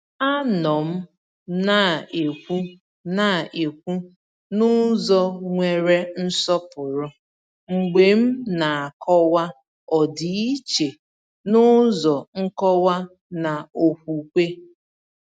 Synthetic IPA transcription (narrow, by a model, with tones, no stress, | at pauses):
a˦nɔ˨m̩˦ | na˦˨e˨kʷu˦ | na˦˨e˨kʷu˦ | nʊ˦zɔ˦ŋʷe˨ɾe˦n̩˦sɔ˦pʊ˨ɾʊ˦ | ŋ͡m̩˨ɡ͡be˨m̩˦na˨a˨kʰɔ˦wa˦ | ɔ˨di˨i˦t͡ʃe˨ | nʊ˦zɔ˨ŋ̩˦kɔ˦wa˦ | na˨o˨kʷu˨kʷe˦